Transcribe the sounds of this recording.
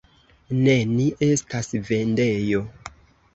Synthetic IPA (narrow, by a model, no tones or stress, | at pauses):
ne̞niʔe̞stasve̞nde̞jo̞